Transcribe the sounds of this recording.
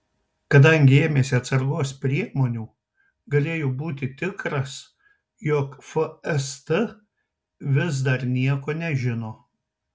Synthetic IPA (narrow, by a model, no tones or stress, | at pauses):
kɐd̪ɐŋʲɡʲɪeːmʲeːsʲɪɐt̪sɐɾɡoːspʲɾʲiɛmoːnʲuː | ɡɐlʲeːjoːbuːt̪ʲɪt̪ʲɪkɾɐs | joːkfɐɛst̪ə | ʋʲɪz̬d̪ɐɾnʲiɛkoːnʲɛʒʲɪnoː